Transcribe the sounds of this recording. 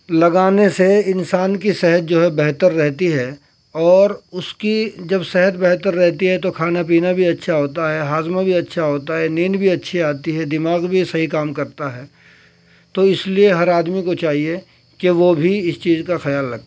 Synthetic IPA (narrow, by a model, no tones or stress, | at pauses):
lɐɡaːneseɪnsaːnkisɛɦət̪̚d͡ʒoːɦɛbɛɦt̪əɾːɛɦt̪iɦɛ | ɔːɾʊskid͡ʒɐbsɛɦət̪̚bɛɦt̪əɾːɛɦt̪iɦɛt̪okʰaːnap̬iːnabʱiɐtːʃʰaɦoːt̪aɦɛɦaːzmabʱiɐtːʃʰaɦoːt̪aɦɛniːnbʱiɐtːʃʰeaːt̪iɦɛd̪ɪmaːɣbʱisɐɦikaːmkɐɾt̪aɦɛː | t̪oɪslieɦɐɾaːd̪mikot͡ʃaːɦie | keʋobʱiɪst͡ʃiːzkaxɐjaːlːɐɡt̪a